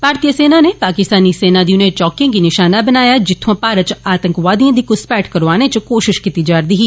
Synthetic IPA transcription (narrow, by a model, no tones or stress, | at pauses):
paːɾt̪ijəseːnaːneːpaːkɪst̪aːniːseːnaːd̪iʊnẽt͡ʃɔːkɪ̃ŋɡinɪʃaːnaːbənaːjaːd͡ʒɪt̪ʰːãːpaːɾət̪t͡ʃaːt̪ə̃ŋkʋaːd̪ijãːd̪iːkʊspɛːʈkəɾʋaːneːt͡ʃkoːʃɪʃkit̪iːd͡ʒaːɾd̪iːɦiː